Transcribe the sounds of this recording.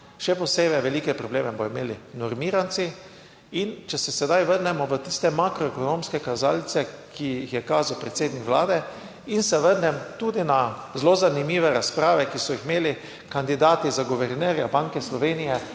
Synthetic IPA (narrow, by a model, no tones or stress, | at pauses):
ʃɛpɔseːbɛʋɛlikɛpɾɔbleːmɛbɔimeːlinɔɾmiːɾant̪si | int͡ʃɛsɛsɛd̪ajʋəɾnɛmɔʋət̪ist̪ɛmakɾɔɛkɔnõmskɛkazaːlt̪sɛkʰiixjɛkaːzawpɾɛt̪seːd̪nikʋlaːd̪ɛ | insɛʋəɾnɛmt̪uːd̪inazlozanimiːʋɛɾaspɾaːʋɛkisɔjixmeːli | kand̪id̪aːt̪izaɡoʋɛɾnɛːɾjabaŋkɛslɔʋeːnijɛ